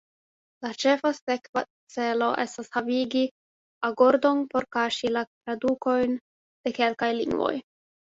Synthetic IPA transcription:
lat͡ʃe̞fase̞kva̰ | t͡se̞lo̞ʔe̞stashaviɡi | aɡo̞ɾdo̞npo̞ɾkaʃilatɾaduko̞jn | d̥e̞ke̞lkajlḭŋɡvo̰j

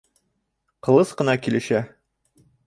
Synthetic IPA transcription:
qɤ̆lˠɤsqɤ̆nɑkilɘ̆ɕæ

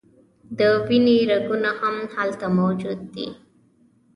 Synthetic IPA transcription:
d̪əwiniɾaɡunahamhalt̪amowd͡ʒud̪̚ːḭ

